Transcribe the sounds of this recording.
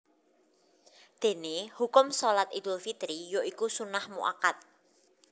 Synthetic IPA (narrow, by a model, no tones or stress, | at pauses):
d̪̥e̤nehukʊmsolat̪id̪ʊlfit̪ɾijoikusunahmṵʔa̰kat̪̚